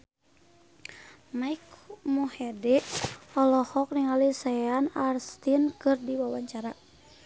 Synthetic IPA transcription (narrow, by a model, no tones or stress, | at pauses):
maikmuhɛdɛɔlɔhɔk̚niŋalisaanarst̪inkɨrdiwawaɲt͡ʃaɾa